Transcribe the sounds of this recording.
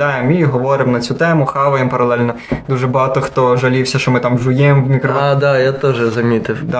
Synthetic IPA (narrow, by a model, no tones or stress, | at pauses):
ɑjemiɦɔʋɔɾɪmnɐt͡sʲut̪ɛmʊxɑʋɐjempɐɾɐlˠɛlʲnɔ | d̪uʒɛbɐɦɑt̪ɔxt̪ɔʒɐlʲiwsʲɐʃt͡ʃɔmɪt̪ɑmʒʊjɛmʋmʲikɾɔd̪ajat̪ɔʒɛzɐmʲit̪ɪwd̪ɑ